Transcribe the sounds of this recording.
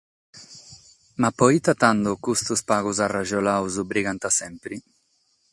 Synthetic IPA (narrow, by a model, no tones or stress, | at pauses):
mapːɔit̪at̪and̪okust̪uspaːɣuzaraʒɔlawzubɾiɡant̪asɛmpɾi